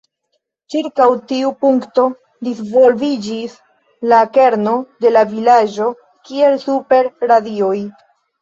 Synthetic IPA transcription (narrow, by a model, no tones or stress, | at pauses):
t͡ʃiɾkawtiupuŋkto̞ | disvo̞lvid͡ʒis | lakeɾno̞de̞lavilad͡ʒo̞ | kie̞lsupe̞ɾɾadio̞j